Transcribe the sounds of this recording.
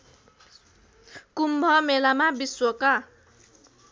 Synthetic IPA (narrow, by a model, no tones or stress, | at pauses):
kumbʱʌmelamabiswʌka